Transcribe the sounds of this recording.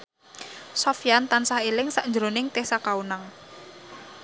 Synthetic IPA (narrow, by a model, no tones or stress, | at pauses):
sɔfjant̪ansahelɪŋsaʔɲd͡ʒəɾonɪŋt̪ehsakaunaŋ